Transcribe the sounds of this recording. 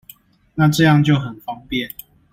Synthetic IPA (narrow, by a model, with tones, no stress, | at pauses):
na˥˨ʈ͡ʂɤ˥˧jɑ˥˨ŋt͡ɕjo˥˨ʊxə˨˩nfɑ˦ŋpjɛ˥˨n